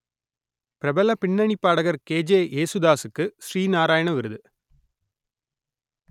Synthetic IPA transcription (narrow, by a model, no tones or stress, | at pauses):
pɪɾɐbɐlɐpɪɳːɐɳipːaːɽɐɣɐɾkeːd͡ʒeːʔeːsud̪aːsɯkːɯsriːnaːɾaːjɐɳɐʋɪɾɯðɯ